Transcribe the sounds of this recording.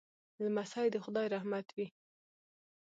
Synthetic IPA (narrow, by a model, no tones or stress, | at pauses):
lamasɑjd̪əxʊd̪ɑjɾahmat̪wi